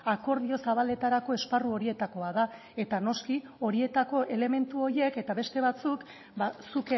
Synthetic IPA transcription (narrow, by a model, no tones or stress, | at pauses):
ako̞ɾð̞io̞saβ̞ale̞t̪aɾako̞e̞sparuo̞ɾie̞t̪ako̞aða | e̞t̪ano̞ski | o̞ɾie̞t̪ako̞ʔe̞le̞me̞nt̪uo̞ɾie̞ke̞t̪aβe̞st̪e̞β̞at͡suk | basuk